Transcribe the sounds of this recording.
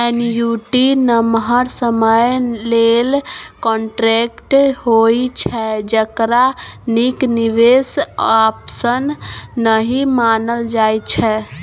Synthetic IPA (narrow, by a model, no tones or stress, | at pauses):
ɛnjuʈinəmɦəɾsəməjlelkɔɳʈɾekʈɦojt͡ʃʰɛd͡ʒəkɾanikniʋesapsənːəɦimanəld͡ʒajt͡ʃʰɛ